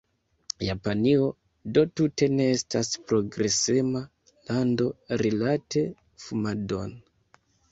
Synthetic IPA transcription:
japanio̞ | do̞tute̞ne̞estaspɾo̞ɡɾe̞sema | lando̞ɾilate̞ | fumado̞n

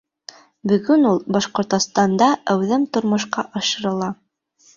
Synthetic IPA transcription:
bɵ̆ɡɵnulˠbɑʃqŏɾt̪ŏst̪ɑnd̪ɑæwðɘmt̪ŏɾmŏʃqɑʔɑʃɤ̆ɾɤ̆lˠɑ

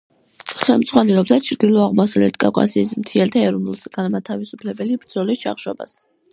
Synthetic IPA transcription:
χɛlˠmd̪z̥ʁwanɛlˠɔb̚d̪at͡ʃʰɾd̪ilˠɔaʁmasalɛ̰t̪ʰkʼa̰fkʼa̰siːsmt̪ʰiɛlt̪ʰaɛɾunulˠsɡ̥anmat̪ʰavisupʰlɛbɛlibɾd̪zɔlist͡ʃʰa̰χʃɔba̰s

